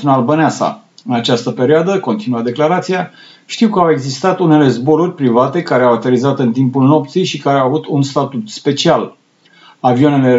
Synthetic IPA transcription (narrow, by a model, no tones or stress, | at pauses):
unalbəneasa̰ | ɨnat͡ʃast̪əpe̞ɾioad̪əko̞nt̪inuad̪e̞klaɾat̪sija | ʃt̪iwkəawe̞ɡzist̪at̪une̞le̞zbo̞ɾurʲpɾivat̪e̞kaɾeawat̪elizat̪ɨnt̪impulno̞p̚t̪sijʃikaɾeawavut̪unst̪at̪ut̪spe̞t͡ʃial | avione̞le̞